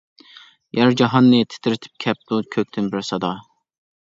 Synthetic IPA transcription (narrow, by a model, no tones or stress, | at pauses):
jæɾd͡ʒɑɦɑnːɨt̪ʰɪ̥t̪ʰɪɾɪt̪ʰɪ̥p̚kʲʰɛp̚t̪ukʲʰøk̚ʲt̪ʰɪnbɪɾsɑd̪ɑ